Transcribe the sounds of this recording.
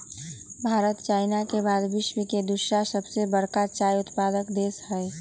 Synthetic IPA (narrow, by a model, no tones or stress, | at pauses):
bʱaːɾət̪t͡ʃaːɪnakebaːd̪bɪʃmiked̪ʊʃasəbsebəɾkat͡ʃaːjʊt̪paːd̪əkd̪eːsɦɛ